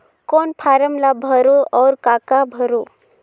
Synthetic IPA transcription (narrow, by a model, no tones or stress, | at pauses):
kɔnpʰaːɾəmlabʱəɾoɔːɾkakabʱəɾo